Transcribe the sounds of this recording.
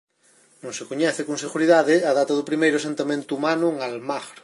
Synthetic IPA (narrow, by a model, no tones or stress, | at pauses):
nõŋsekoɲɛθekõnseɣuɾiðaðeaðat̪aðupɾimejɾosẽnt̪amẽnt̪uːmanuŋalmaɣɾ